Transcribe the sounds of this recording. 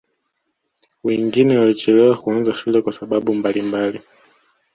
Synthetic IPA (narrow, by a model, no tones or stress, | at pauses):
wɛŋɡinɛwalit͡ʃɛlɛwakuanzaʃulɛkwasaɓaɓumbalimbali